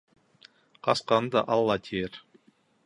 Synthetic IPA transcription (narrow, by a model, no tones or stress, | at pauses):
qɑsqɑnɤd̪ɑ̰ʔɑlˠːɑt̪ʲʰeɾ